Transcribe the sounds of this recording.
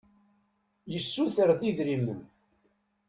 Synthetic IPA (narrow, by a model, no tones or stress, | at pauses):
jəsːuθəɾðiðɾimə̰n